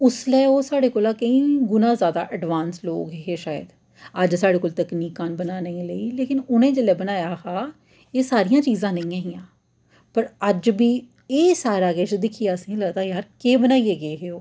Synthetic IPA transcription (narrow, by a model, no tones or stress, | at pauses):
ʊslɛːoːsaːɽeːkoːlaːkəĩːɡʊnãːzjaːd̪a̰ːʔəɖʋaːnslo̰ːɡɦɦeːʃaːjə̰d̪ | əd͡ʒsaːɽeːkoːlt̪əkniːkãːnbənaːnəĩːləiːleːkɪnʊnẽːd͡ʒelɛːbənaːjaːhaː | eːsaːɾijãːt͡ʃiːzãːnəĩːãːɦɪjãː | pəɾəd͡ʒbiː | eːsaːɾaːɡeːt͡ʃd̪ɪkʰijaːəsĩːləɡd̪aːjaːɾkeːbənaːiːeːɡəeːɦeːoː